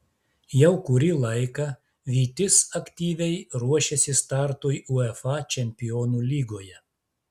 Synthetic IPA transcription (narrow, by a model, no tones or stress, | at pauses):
jɛʊkʊɾʲiːlˠɐɪkɐ | ʋʲiːt̪ʲɪsɐkt̪ʲiːʋʲɛɪɾuɔʃʲɛsʲɪst̪ɑɾt̪oːjuɛfɑt͡ʃʲɛmʲpʲɪjɔnuːlʲiːɡoːjɛ